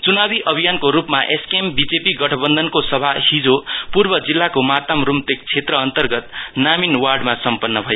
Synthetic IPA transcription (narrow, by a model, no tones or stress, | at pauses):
t͡sunabiʔʌbʱijankoɾupmaʔeskembid͡zepiɡʌʈʰʌbʌnd̪ʱʌnkosʌbʱahid͡zopurbʌd͡zilːakomat̪amrumt̪ek̚t͡sʰet̪rʌːnt̪ʌrɡʌt̪̚naminwarɖmasʌmpʌnːʌbʱʌjo